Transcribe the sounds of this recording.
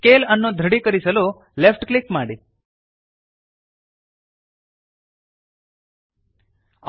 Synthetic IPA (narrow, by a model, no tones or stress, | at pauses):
kelənːõd̪ʱəɽikəɾisəlo | lefʰʈklɪkmaɽi